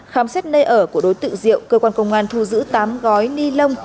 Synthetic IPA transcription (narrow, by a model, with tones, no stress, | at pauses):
xaː˨˦msɛ˦˥t̚nəː˧jʔəː˧˩ku˧˩əɗo˨˦jt̪ɨ̰˧˨zḭ˧˨əwkəː˧kwaː˧nkə˧wŋ͡mŋaː˧˩nt̪ʰu˧zɨ̰˧˥t̪aː˨˦mɣɔ˨˦jni˧lə˧wŋ͡m